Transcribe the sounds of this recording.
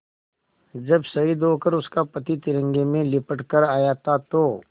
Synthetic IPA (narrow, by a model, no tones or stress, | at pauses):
d͡ʒɐbsɐɦid̪oːkəɾʊskapɐt̪it̪ɪɾə̃ŋɡemẽlɪpəʈkəɾaːjat̪at̪oː